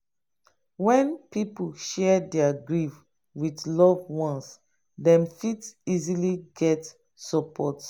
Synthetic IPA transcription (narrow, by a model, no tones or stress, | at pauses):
wɛ̃npip̩ʃɛdɛaɡɹiv | witlɔvwɔ̃ns | dɛ̃mfitiziliɡɛt | sɔpʰɔt